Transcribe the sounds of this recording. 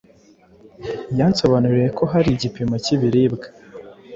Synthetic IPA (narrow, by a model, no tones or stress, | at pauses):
janso̞βanuɾijeko̞ɦaɾiɟipimaciβiɾiːbɡḁ